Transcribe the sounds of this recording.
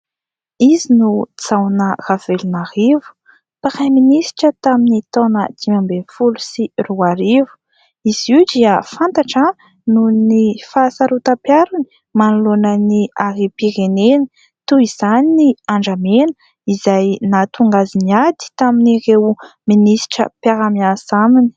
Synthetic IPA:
izinut͡sawnəravelunahivu̥ | paɾajminisi̥ʈ͡ʂət̪aminit̪onəd̪̥imambefulusiruaɾivu̥ | iz̥iwd̪iəfant̪aʈ͡ʂə | nunifasaɾut̪apjaɾuni̥ | manulonəniaɾipiɾenenə | t̪uiz̥aniniaɳɖ͡ʐamen | izajnat̪uŋɡaziniad̪i̥t̪aminirewminisi̥ʈ͡ʂə̰pjaɾamiasamini̥

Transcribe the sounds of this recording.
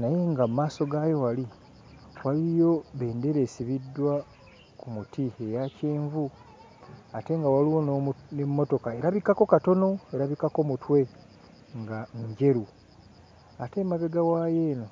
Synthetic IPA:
naje̞ŋɡamumaːso̞ɡajo̞wali | walijo̞βeːnde̞ɾeːsiβidːwa | kumutiejace̞ːɱvu | ate̞ŋɡawaliwo̞nnemːo̞to̞kae̞ɾaβikako̞kato̞no̞eɾaβikako̞mutwe̞ | ŋɡaɲɟe̞ɾu | ate̞maβeɡawaːje̞ːno̞

